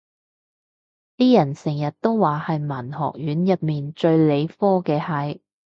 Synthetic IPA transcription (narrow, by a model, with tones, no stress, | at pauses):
t̪iː˥jɐ˨˩nsɪ˨˩ŋjɐ˨t̚t̪o˥wwaː˨hɐ˨jmɐ˨˩nhɔ̰ː˨k̚jyː˨˥njɐ˨t̚miː˨nt͡ʃɵ˧ɥle˨˧jfɔː˥kɛː˧hɐ˨˥j